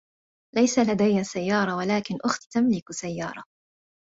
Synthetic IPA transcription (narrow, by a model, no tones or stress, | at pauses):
lajsalad̪ajːasajːɑːɾˤɑwalaːkɪnʔʊxt̪t̪amlɪksajːɑːɾˤɑ